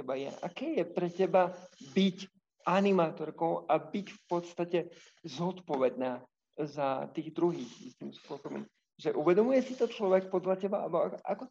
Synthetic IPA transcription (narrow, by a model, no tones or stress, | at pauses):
ɛbajɛ̰ʔa̰kɛːjɛpɾɛcɛbabic | ʔanimaːt̪ɔɾkɔʊabicfpɔt̪st̪acɛ | zɔt̪pɔʋɛd̪̚naː | zat̪iːɣd̪ɾuɦiːxḭst̪imspʊɔsɔbɔ̰m | ʒɛʔuʋɛd̪ɔmujɛsit̪ɔt͡ʃlɔʋɛk̚pɔd̪lacɛbaabɔakʔa̰kɔ